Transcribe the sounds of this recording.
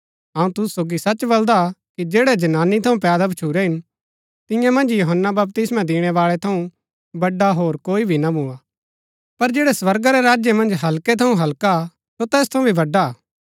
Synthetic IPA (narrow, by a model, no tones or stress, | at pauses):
ɐũt̪ʊssoːɡisɐt͡ʃbɐld̪akid͡ʒeːɽɛd͡ʒɐnaːnːit̪ʰɐũpɛːd̪abʱɐt͡ʃʰuːɾɛɦɪn | t̪ɪ̃jãmɐ̃nd͡ʒjoɦənːabɐbpt̪ɪsmãd̪ɪːɽ̃ɛʋaːɭɛt̪ʰɐũ | bɐɖːaɦoːɾkoːibʱinabʱua | pɐɾd͡ʒeːɽɛsʋɐɾɡaɾɛɾaːd͡ʒjemɐ̃nd͡ʒɦɐlket̪ʰɐũɦɐlka | sot̪ɛːst̪ʰɐ̃ũbʱibɐɖːa